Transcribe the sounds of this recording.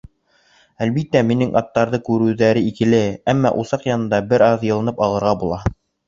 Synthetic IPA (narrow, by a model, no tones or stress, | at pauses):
ælβit̪ːæminɘŋʔɑt̪ːɑɾðɤkʉɾʉ̆wðæɾɘikɘ̆lɘæmːɑ̰ʔusɑqjɑnɤ̆nd̪ɑbɘɾɑðjɤ̆lˠɤ̆nɤpɑlˠɤ̆ɾʁɑbulˠɑ